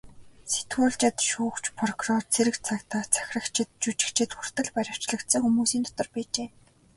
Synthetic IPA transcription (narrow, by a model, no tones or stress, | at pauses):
se̥t̪ɡuːɮt͡ɕɪ̆t̪ʃuːkt͡ɕpʰrɔkʰurɔrt͡sʰeɾɘ̆kt͡sʰakt̪at͡sʰæ̥xʲrə̆kt͡ɕʰɪ̆t̪̚t͡ɕut͡ɕɪ̆kt͡ɕʰɪ̆t̪xur̥t̪ə̆ɮpæɾʲɪ̆w̥t͡ɕɮə̆kt̪sə̆ŋxumuːsiːnt̪ɔt̪ɞ̆rpæːt͡ɕeː